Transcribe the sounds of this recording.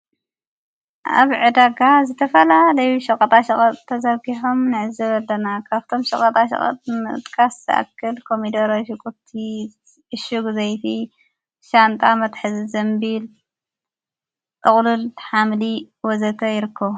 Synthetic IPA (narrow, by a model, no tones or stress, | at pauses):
ʔa̰βʕɨd̪aɡazɨt̪ʰɐfɐlalɐjʃɐkʼɐt̪ʼaʃɐχʼɐt̪ʼt̪ʰːɐzɐɡiħomnɨʕɨzɐβɐlːɐnakʰaβt̪ʰo̞mʃɐχʼɐt̪ʼaʃɐ̰χʼɐ̰t̪ʼmɨ̰t̪ʼkʰasʔa̰kʰːɨlkʰomid̪ɐɾoʃɨkʼut̪ʰːi | ɨʃuɡzɐjt̪ʰi | ʃant̪ʼamɐt̪ħɨzzɐmbil | t̪ʼɨχʼlulħamli | wɔzɐt̪ʰɐjɪɾɨkʰːɐβu